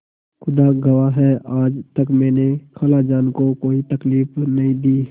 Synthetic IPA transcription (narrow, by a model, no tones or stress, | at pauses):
xʊd̪aɡəwaɦɛaːd͡ʒt̪əkmɛ̃ːnekʰəlad͡ʒaːnkokoːit̪ɐkliːfnɐɦĩd̪iː